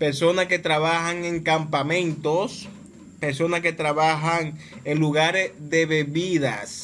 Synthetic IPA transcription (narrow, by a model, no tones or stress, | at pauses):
peɾso̞naske̞t̪ɾaβahaŋe̞ŋkampamẽ̞nt̪os | peɾso̞naske̞t̪ɾaβaɦaŋeŋluɣaɾesðe̞βe̞βiða̰s